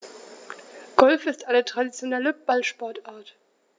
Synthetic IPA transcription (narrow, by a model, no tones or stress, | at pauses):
ɡ̥ɔlfɪstʔaɪnətʁ̥adit͡sjonɛləb̥alʃpɔɐtaːɐt